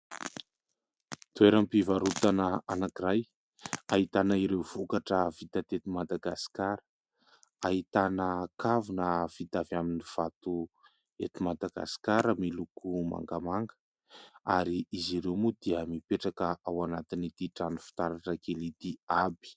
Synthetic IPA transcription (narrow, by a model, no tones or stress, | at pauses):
t̪ueɾəmpivaɾut̪anəanakiɾaj | aɦit̪anaiɾewv̥ukaʈ͡ʂəvit̪at̪et̪imad̪aɡasi̥kaɾə | aɦit̪anəkavunəv̥it̪avjaminiv̥at̪u | et̪imad̪aɡa̰si̥kaɾəmilukuma̰ŋɡamaŋɡə̥ | aɾiiziɾewmud̪̥iəmipeʈ͡ʂakəʔawanat̪init̪iʈ͡ʂanu̥fi̥t̪aɾaʈ͡ʂəkelit̪iabi̥